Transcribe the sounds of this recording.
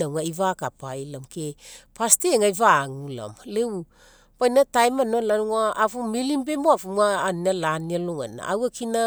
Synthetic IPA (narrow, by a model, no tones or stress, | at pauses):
awŋaivakapajlamkepasteŋajvaːŋula̰mleu | pajnatajmanolanuŋaːvumilimbemoavumaːnialanialoŋa̰na̰awakina